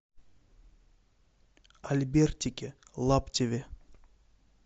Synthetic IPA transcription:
alʲbʲerʲt̪ʲikʲelˠaptʲevʲe

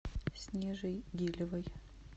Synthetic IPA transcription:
sʲnʲɛʐɨjɡʲilʲɪvəj

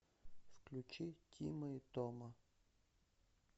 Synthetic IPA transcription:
fklʲut͡ʃitʲiməit̪ɔmə

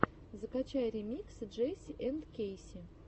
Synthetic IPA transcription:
zəkat͡ɕajəɾʲɪmʲiksɨdʐɛsʲɪʔɛnt̪kʲejsʲɪ

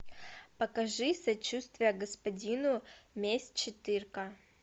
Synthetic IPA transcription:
pɐkɐʐɨsɐt͡ɕust̪vʲɪjəɡɐspɐdʲinʊmʲesʲt͡ɕɪt̪ɨrkɐ

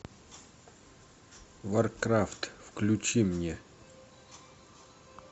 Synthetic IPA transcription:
vɐrkɾaft̪fklʲʊt͡ɕimnʲe

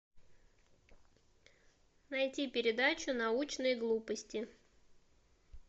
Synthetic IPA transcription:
nɐjtʲipʲɪɾʲɪd̪at͡ɕʊnɐut͡ɕnɨjɡlˠupəsʲtʲɪ

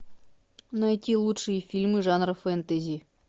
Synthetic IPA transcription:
nɐjtʲilˠuʂɨjəfʲilʲmɨʐanrəfɛnt̪əzʲi

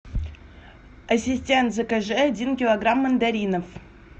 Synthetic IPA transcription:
ɐsʲisʲtʲent̪zɨkəʐɛadʲinkʲɪlˠoɡramːənd̪aɾʲinof

